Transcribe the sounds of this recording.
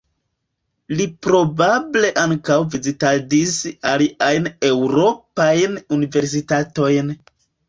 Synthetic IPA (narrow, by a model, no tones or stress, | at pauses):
lipɾo̞bable̞ʔaŋkawvizitadisaliʔajne̞wɾo̞pajnunive̞ɾs̬itato̞jn